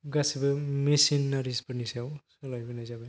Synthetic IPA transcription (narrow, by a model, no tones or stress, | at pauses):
ɡasibɯmesinːaɾispɯnisawsɔlajbɯnajzaba